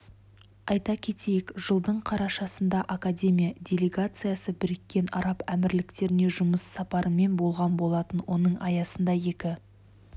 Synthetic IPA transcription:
ɑjt̪ɑkʲʰe̞t̪e̞jɪkʒ̥əlˠd̪əɴqʰɑɾɑʃɑsənd̪ɑʔakadʲe̞mʲijad̪ʲe̞lʲe̞ɡat̪sɨjasəbɪɾɪkʲːe̞nɑ̰ɾɑpæmɪɾlɪkt̪e̞ɾɪne̞ʒʊməsːɑpɑɾəme̞nbo̞lˠʁɑnbo̞lˠɑt̪ənwo̞nəɴɑjɑsənd̪ɑje̞kʲɪ

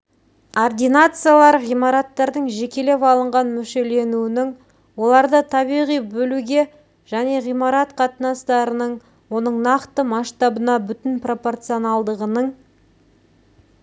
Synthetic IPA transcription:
ord̪ʲijnat̪sɨjalˠɑɾʁijmɑɾɑt̪ːɑɾd̪əɴʒe̞kʲe̞le̞pɑlˠəɴʁɑnmʏʃe̞le̞nuwɪnɪŋ | wo̞lˠɑɾd̪ət̪ʰɑβiʁijbɵluɡʲe̞ | ʒ̥æne̞ʁijmɑɾɑt̪qʰɑt̪ənɑst̪ɑɾənəɴ | wo̞nəɴnɑqt̪əmɑʃt̪ɑbənɑbʏt̪ɪnpro̞po̞rt̪sɨonɑlˠd̪əʁənəɴ

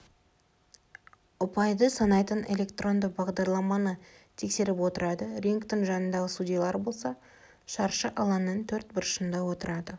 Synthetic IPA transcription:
ʊpɑjd̪əsɑnɑjt̪ənʔe̞lʲe̞kt̪ro̞nd̪əbɑʁd̪ɑɾlˠɑmɑnət̪ʰe̞kse̞ɾɪpwo̞t̪əɾɑd̪əɾʲiŋkt̪ɪŋʒɑnənd̪ɑʁəsudʲijɑlˠɑɾbo̞lˠsɑ | ʃɑɾʃəʔɑlˠɑnːənt̪ʰɵɾt̪̚bɪɾʃənd̪ɑwo̞t̪əɾɑd̪ə

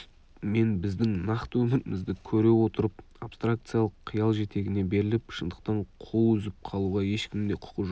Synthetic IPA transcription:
me̞nbɪzd̪ɪŋnɑqt̪əwɵmɪɾɪmɪzd̪ɪkʲʰɵɾe̞wo̞t̪əɾəp̚ | apst̪rak̚t̪sɨjalˠəqʰːijɑlˠʒe̞t̪e̞ɡʲɪne̞be̞ɾɪlɪpʃənd̪əq̚t̪ɑɴqʰuʏzɪp̚qʰɑlˠuʁɑje̞ʃkʲɪmd̪e̞qʰʊ̥qəʒo

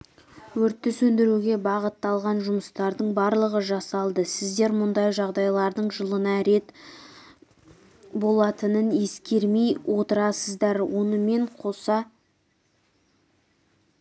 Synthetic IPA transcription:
wɵɾt̪ːɪsɵnd̪ɪɾuɡʲe̞bɑʁət̪ːɑlˠʁɑnʒʊməst̪ɑɾd̪əɴbɑɾlˠəʁəʒɑsɑlˠd̪əsɪzd̪e̞ɾmʊnd̪ɑjʒɑʁd̪ɑjlˠɑɾd̪əɴʒəlˠənɑɾe̞t̪ | bo̞lˠɑt̪ənəne̞skʲe̞ɾme̞jwʔo̞t̪əɾɑsəzd̪ɑɾwo̞nəme̞ɴqʰo̞sɑ

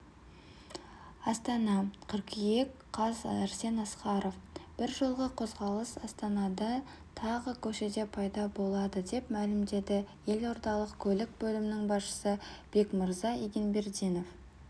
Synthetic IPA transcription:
ɑst̪ɑnɑqʰəɾqije̞kqʰɑzæɾse̞nɑsqɑɾo̞fb̥ɪɾʒəlˠʁəqʰo̞zʁɑlˠəsɑst̪ɑnɑd̪ɑ | t̪ʰɑʁəkʲʰɵʃe̞d̪e̞pʰɑjd̪ɑbo̞lˠɑd̪əd̪e̞pmælɪmd̪e̞d̪ɪje̞lo̞ɾt̪ɑlˠəqkʲʰɵlɪk̚bɵlɪmɪnɪŋbɑsʃə̥səb̥e̞kməɾzɑijɡʲenbe̞ɾd̪ijno̞f

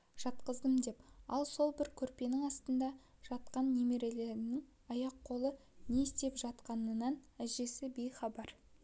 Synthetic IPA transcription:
ʒ̥ɑt̪qəzd̪əmd̪e̞pɑlˠso̞lˠbɪɾkʲʰɵɾpe̞nɪŋɑst̪ənd̪ɑʒ̥ɑt̪̚qɑnːe̞me̞ɾe̞le̞ɾɪnɪŋ | ɑjɑqʰːo̞lˠəne̞ɪst̪e̞pʒɑt̪qɑnənɑnæʒe̞sɪbe̞jχɑbɑɾ

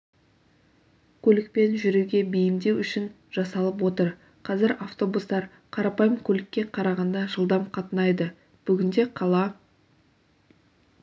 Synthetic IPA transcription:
kʲʰɵlɪk̚pe̞nʒʏɾeɡʲe̞bijɪmd̪e̞wʏʃɪn | ʒ̥ɑsɑlˠəp̬wo̞t̪əɾ | qʰɑzɪɾaft̪o̞bust̪ɑɾ | qʰɑɾɑpɑjəmkʲʰɵlɪkʲːe̞qʰɑɾɑʁɑnd̪ɑʒəlˠd̪ɑmqʰɑt̪ənɑjd̪ə | b̥ʏɡʲɪnd̪e̞qʰɑlˠɑ

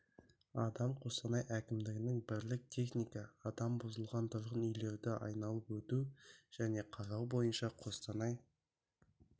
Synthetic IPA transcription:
ɑd̪ɑmqʰo̞st̪ɑnɑjʔækʲɪmd̪ɪɡʲɪnɪŋbɪɾlɪk̚t̪ʲʰe̞χnijkɑːd̪ɑmbʊzəlˠʁɑnt̪ʰʊɾʁənʏjle̞ɾd̪ɪʔɑ̰jnɑlˠəpwɵt̪uʒ̥æne̞qʰɑɾɑwbo̞jənʃɑqʰo̞st̪ɑnɑj

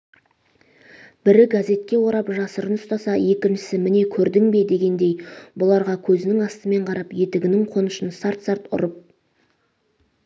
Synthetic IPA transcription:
b̥ɪɾɪɡaze̞t̪̚kʲe̞wo̞ɾɑpʒɑsəɾənʊst̪ɑsɑje̞kʲɪnʃɪ̥sɪmɪne̞kʲʰɵɾd̪ɪŋbe̞d̪e̞ɡʲe̞nd̪e̞jbʊlˠɑɾʁɑkʲʰɵzɪnɪŋɑst̪əme̞ɴqʰɑɾɑpje̞t̪ɪɡʲɪnɪŋqʰo̞nəʃənsɑɾt̪sɑɾt̪ʊ̰ɾəp̚

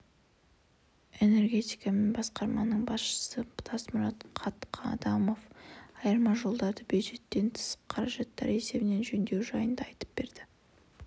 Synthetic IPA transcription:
e̞ne̞rɡʲe̞t̪ijkame̞nbɑsqɑɾmɑnəɴbɑsʃə̥səbʊ̥t̪ʰɑsmʊɾɑt̪qʰɑt̪qʰɑ̰d̪ɑmo̞fɑjəɾmɑʒo̞lˠd̪ɑd̪əbjuʒe̞t̪ːe̞nt̪ʰə̥sə̥p̚qʰɑɾɑʒɑt̪ːɑ̰ɾe̞se̞bɪne̞nʒɵnd̪e̞wʒɑjənd̪ɑɑjt̪ə̥p̚b̥e̞ɾd̪̥ɪ

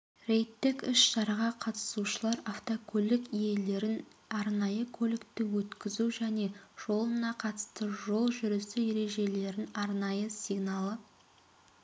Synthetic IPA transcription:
ɾe̞jt̪ːɪkɪʃʃɑɾɑʁɑqʰɑt̪ə̥suʃəlˠɑɾaft̪okʰɵlɪkije̞le̞ɾɪnɑɾnɑjəkʰolɪkt̪ɪwɵt̪kʲɪzuʒæne̞ʒ̥o̞lˠənɑqʰɑt̪ə̥st̪əʒo̞lˠʒʏɾɪsɪje̞ɾe̞ʒe̞le̞ɾɪnɑɾnɑjəsiɡnɑlˠə

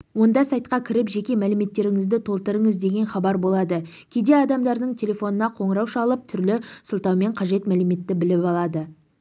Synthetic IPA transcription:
wo̞nd̪ɑsɑjt̪̚qɑkʲʰɪɾɪpʒe̞kʲe̞mælɪme̞t̪ːe̞ɾɪŋɪzd̪ɪt̪ʰo̞lˠt̪əɾəɴəzd̪e̞ɡʲe̞nχɑbɑɾbo̞lˠɑd̪ə | kʲʰe̞d̪e̞ɑd̪ɑmd̪ɑɾd̪əɴt̪ʲʰe̞lʲe̞fo̞nənɑqʰo̞ɴəɾɑwʃɑlˠəp̚t̪ʰʏɾlɪsʊlˠt̪ɑwme̞ɴqʰɑʒe̞t̪mælɪme̞t̪ːɪbɪlɪpɑlˠɑd̪ə

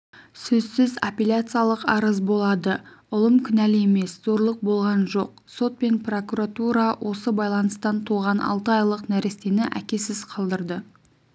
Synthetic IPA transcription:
sɵzsɪzapʲelʲat̪sɨjalˠəqɑɾəzbo̞lˠɑd̪əʊlˠəmkʲʰʏnæle̞me̞szo̞ɾlˠəq̚bo̞lˠʁɑnʒo̞̰q̚ | so̞t̪̚pe̞npro̞kuɾat̪uɾɑwʔo̞səbɑjlˠɑnəst̪ɑnt̪ʰuʁɑnɑ̰lˠt̪əɑjlˠəqnæɾɪst̪e̞nɪʔæ̰kʲe̞sɪz̥qʰɑlˠd̪əɾd̪ə

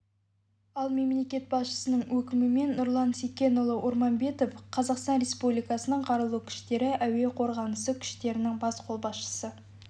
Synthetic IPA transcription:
ɑlˠme̞mle̞kʲe̞t̪̚bɑsʃə̥sənəɴwɵkʲɪmɪme̞nːʊɾlˠɑnsekʲːe̞nʊlˠəʔʊɾmɑnbe̞t̪o̞fqʰɑzɑqst̪ɑnrʲe̞spublʲijkɑsənəɴqʰɑɾəlˠukʲʰʏ̥ʃt̪e̞ɾɪʔæwe̞qʰo̞ɾʁɑnəsəkʲʰʏ̥ʃt̪e̞ɾɪnɪŋbɑsqʰo̞lˠbɑsʃə̥sə

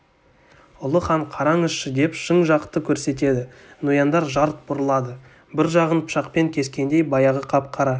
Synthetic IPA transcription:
ʊlˠəχɑɴqʰɑɾɑŋɪsʃəd̪e̞pʃəɴʒɑqt̪ːəkʲʰɵɾse̞t̪̬e̞d̪ɪnujɑnd̪ɑɾʒɑɾt̪̚bʊɾəlˠɑd̪ə | bɪɾʒɑʁənpʰʊ̥ʃɑqpe̞ŋkʲʰe̞skʲe̞nd̪e̞jbɑjɑʁəqʰɑp̚qʰɑɾɑ

